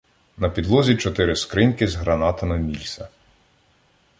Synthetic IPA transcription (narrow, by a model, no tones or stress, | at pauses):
nɐpʲid̪lˠɔzʲit͡ʃɔt̪ɪɾɪskɾɪnkɪzɦɾɐnɑt̪ɐmɪmʲilʲsʲɐ